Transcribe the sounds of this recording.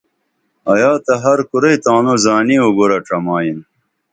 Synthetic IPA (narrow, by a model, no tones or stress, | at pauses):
ɐjaːt̪ɐɦɐɾkuɾɐjt̪ãːnozaːnioɡoɾɐʈ͡ʂɐmaːjin